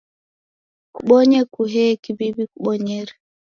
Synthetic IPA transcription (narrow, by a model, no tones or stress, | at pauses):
kuɓɔɲɛkuɦɛkibibikuɓɔɲɛɾi